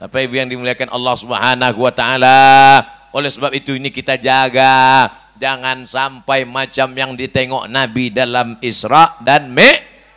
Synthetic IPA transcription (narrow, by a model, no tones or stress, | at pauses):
t̪apaibujaŋdimuliakanʔɑ̰lːɑhsubɦanaɦuwat̪aʔala | ʔolɛhsəbap̚it̪uinikit̪ad͡ʒaɡa | d͡ʒaŋansampajmat͡ʃamjaŋdit̪eŋɔ̰ʔnabidalamɪsɾɑʔdanmɛʔ